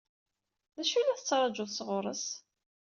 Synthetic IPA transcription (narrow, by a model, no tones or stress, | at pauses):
ðæʃunæθət͡sːɾˤɑd͡ʒʊðsʁʊɾˤə̰s